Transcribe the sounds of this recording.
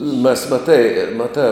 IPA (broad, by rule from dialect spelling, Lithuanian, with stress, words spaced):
mʲɛs mɐˈtɐɪ mɐˈtɑː